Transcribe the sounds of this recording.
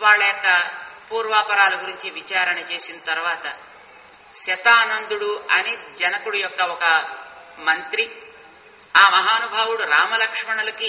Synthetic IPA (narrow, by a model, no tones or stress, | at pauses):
ʋaːɭːɐjɔkːɐpuːɾʋaːpɐɾaːluɡuɾiɲt͡ʃiʋit͡ʃaːɾɐɳɐt͡ʃe̞ːsinɐt̪ɐɾuʋaːt̪ɐ | ʃɐt̪aːnɐnd̪uɽuɐnid͡ʒɐnɐkuɽujɔkːɐɔkɐ | mɐnt̪ɾi | aːmɐɦaːnubʱaːwuɽuɾaːmɐlɐkʂmɐɳɐlɐki